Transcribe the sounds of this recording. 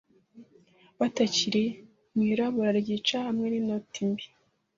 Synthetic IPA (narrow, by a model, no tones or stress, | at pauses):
βataciɾe | mŋiɾaβoɾaɾɟiːt͡ʃahamŋenimnotimbi̥